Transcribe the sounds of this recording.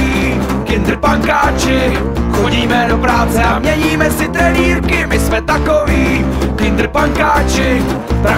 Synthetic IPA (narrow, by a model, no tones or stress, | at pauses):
iː | kɪnd̪ɾ̩paŋkaːt͡ʃɪ | xoɟiːmɛdopɾaːt͡sɛamɲɛɲiːmɛsɪt̪ɾɛniːɾkɪmɪsmɛt̪akoviː | kɪnd̪ɾ̩paŋkaːt͡ʃɪpɾa